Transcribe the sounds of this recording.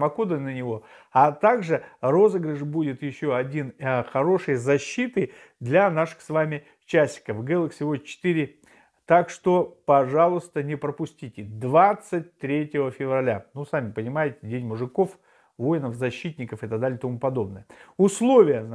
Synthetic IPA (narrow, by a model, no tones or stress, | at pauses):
mɐkod̪ənənʲɪvo̞ | at̪aɡʐɨro̞zəɡɾəʐbudʲɪt̪jɪɕːo̞ɐdʲinxɐɾo̞ʂɨjzɐɕːit̪ɨ | d̪lʲanaʂɨ̥xsvamʲɪ | t͡ɕæsʲɪ̥kəfɡɛlˠɨksʲɪvo̞dʲt͡ɕɪ̥t̪iɾʲɪ | t̪akʂt̪o̞pɐʐalˠʊst̪ənʲɪpɾəpʊsʲtʲitʲɪd̪vat̪sɨt̚ʲt̪ɾʲetʲɪvəfʲɪvrɐlʲanusamʲɪpənʲɪmajɪtʲɪdʲenʲmʊʐɨko̞f | vo̞jɪnəfzɐɕːit̪ʲnʲɪkəfɨɪt̪ɐɡ̚d̪alʲɪt̪ɐmupɐd̪o̞bnəjəʊslˠo̞vʲɪjə